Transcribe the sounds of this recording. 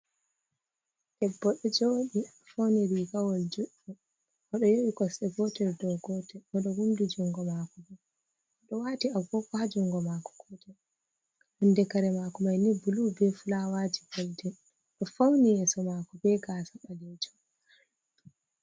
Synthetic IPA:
tɛbːɔɗɔd͡ʒoɗi | fowniɾiɡawɔld͡ʒuɗːu | ʔɔɗɔjoɓikɔsɛbɔtɛɾdɔɡɔtɛɔɗɔhundud͡ʒuŋɡɔmaːkɔbɛ | ʔɔɗɔwaːtiaɡɔkɔhad͡ʒuŋɡɔmakɔ̥kɔtɛ | hundɛkaɾɛmakɔmajnibulubɛfulawad͡ʒiɡɔldɛ | ɗɔfownijɛsɔmakɔbɛɡaːsaɓalɛd͡ʒɔ

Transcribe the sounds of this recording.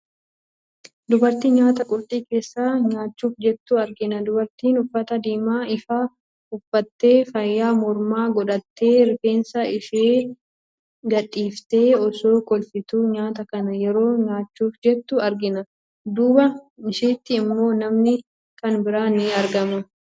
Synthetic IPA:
d̪ʊbɐɾt̪iɲaːt̪ɐkʼʊɾt̪ʼiːke̞ːsːaːɲaːt͡ʃːuːfd͡ʒɛt̪ːʊɐɾɡɪnɐd̪ʊbɐɾt̪iːnʊfːɐt̪ɐd̪iːmaːɪfaː | ʊfːɐt̪ːe̞ːfɐjːaːmɔɾmaːɡɔᶑɐt̪ːeːɾɪke̞ːnsɐɪʃeː | ɡɐᶑʼiːft̪e̞ːɔso̞ːkɔlfɪt̪uːɲaːt̪ɐkɐnɐjɛɾo̞ːɲaːt͡ʃːuːfd͡ʒɛt̪ːʊɐɾɡɪnɐ | d̪uːbɐɪʃiːt̪ːɪːmːo̞ːnɐmnɪ | kɐnbɪɾaːnɪɐɾɡɐmɐ

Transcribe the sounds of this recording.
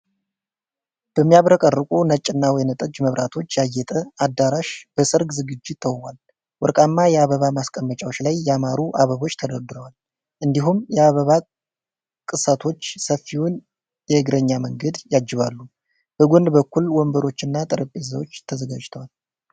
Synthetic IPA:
b̥əmːijaβɾəkʼərːɨkʼunət͡ʃʼːɨnːawɔjnət̪ʼəd͡ʒməβɾʔat̪ʰo̞t͡ʃːjajɛt̪ʼəad̪aɾaʃb̥əsɨɾɡzɨɡɨd͡ʒːɪt̪ʰːəwwal | wɔɾkʼamːajɛaβəβamaskʼəmːət͡ʃʼawot͡ʃːlajːɛamaɾuʔaβəβo̞t͡ʃːt̪ʰəd̪əɾd̪ɨɾəwal | ʔɨnd̪iɦumjɛaβəβa | kʼɨsət̪ʰo̞t͡ʃːsəfːiwun | jɛɨɡɾəɲːaməŋɡəd̪jad͡ʒːɪβalːu | b̥əɡond̪bəkːulwɔmbəɾo̞t͡ʃːɨnːat̪ʼɨɾəpʼːeza̰wo̞t͡ʃːt̪ʰəzəɡa̰d͡ʒt̪ʰəwal

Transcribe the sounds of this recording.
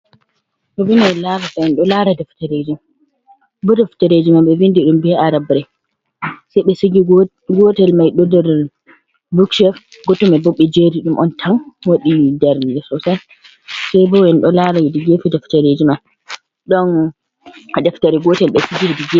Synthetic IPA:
bɔbinajlaɾasɔɛnɗɔlaːɾadɛftaɾed͡ʒima | bɔdaftaɾed͡ʒimamɓɛvindiɗumbɛaɾabɾɛ | sajɓɛsiɡi | ɡɔtɛlmajɗɔdɛɾ | bukʃɛf | ɡɔtɔmɛboɓːid͡ʒeɾiɗumʔɔntʰanwaɗidaɾnd͡ʒɛsɔsa | sɛjbɔwɛnɗɔlaɾawidiɡefidaftaɾed͡ʒiman | ɗɔn | adɛftaɾiɡɔtɛlɓɛsiɡiɾdiɡe

